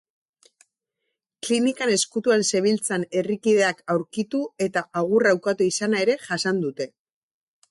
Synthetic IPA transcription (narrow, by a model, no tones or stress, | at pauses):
klinikane̞skut̪uense̞β̞ilt͡sane̞rikiðe̞akawɾkit̪ue̞t̪aʔaɣurawkat̪uisanae̞ɾe̞ʝasand̪ut̪e̞